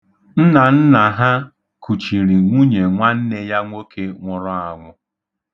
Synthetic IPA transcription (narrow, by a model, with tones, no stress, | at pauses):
n̩˦na˨n̩˦na˨ɦa˦ | ku˨t͡ʃi˨ɾi˨ŋʷu˦ɲe˨ŋʷa˦n̩˦ne˦ja˦ŋʷo˦kʰe˦ŋʷʊ˨ɾʊ˦a˨ŋʷʊ˨